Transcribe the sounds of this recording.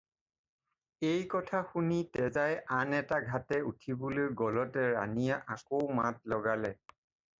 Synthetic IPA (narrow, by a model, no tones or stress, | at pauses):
ejkɔtʰaxunitɛzajanɛtaɡʱatɛutʰibolojɡɔlɔtɛɹa̰nijaʔakowmat̚lɔɡalɛ